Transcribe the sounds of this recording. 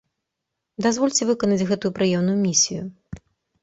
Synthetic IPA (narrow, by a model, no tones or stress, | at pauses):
d̪azvɔlʲt͡sʲɛvɨkɐnɐd͡zʲɣɛt̪ujupɾɨjɛmnujumʲisʲiju